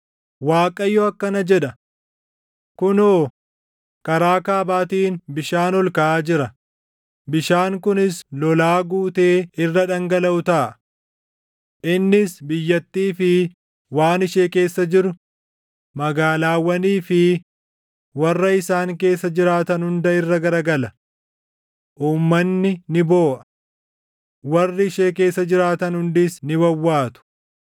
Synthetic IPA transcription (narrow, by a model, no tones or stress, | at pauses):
waːkʼɐjːɔɐkːɐnɐd͡ʒɛᶑɐ | kʊnoː | kɐɾaːkaːbaːt̪iːnbɪʃaːnɔlkɐʔaːd͡ʒɪɾɐ | bɪʃaːŋkʊnɪslɔlaːɡuːt̪e̞ːɪrːɐᶑɐŋɡɐlɐʊt̪ɐʔɐ | ʔɪnːɪsbɪjːɐt̪ːiːfɪ | waːnɪʃeːke̞ːsːɐd͡ʒɪɾʊ | mɐɡaːlaːwːɐniːfɪ | wɐrːɐɪsaːŋke̞ːsːɐd͡ʒɪɾaːt̪ɐnhʊnd̪ɐɪrːɐɡɐɾɐɡɐlɐ | ʔuːmːɐnːɪnɪbo̞ːʔɐ̥ | wɐrːɪʃeːk̬e̞ːsːɐd͡ʒɪɾaːt̪ɐnhʊnd̪ɪsnɪbɐwːaːt̪ʊ̥